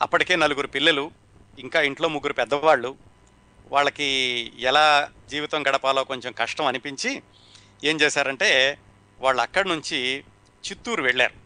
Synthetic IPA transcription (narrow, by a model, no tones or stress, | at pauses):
ɐ̰pːɐʈike̞ːnɐluɡuɾupilːɐlu | iŋkaːiɳʈlo̞ːmuɡːuɾupɛd̪ːɐʋaːɭːu | ʋa̰ːɭːɐkiɛlaːd͡ʒiːʋit̪ɐŋɡɐɽɐpaːloːko̞ɲt͡ʃemkɐʂʈɐmɐnipiɲt͡ʃi | e̞ːmt͡ʃeːsaːɾɐɳʈe̞ː | ʋaːɭːuɐkːɐɽɐnuɲt͡ʃi | t͡ʃit̪ːuːɾuʋeɭːa̰ːɾu